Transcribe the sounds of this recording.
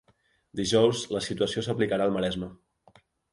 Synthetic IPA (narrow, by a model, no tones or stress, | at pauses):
d̪iʒɔwzləsit̪uəsiosəplikəɾaːlˠməɾɛzmə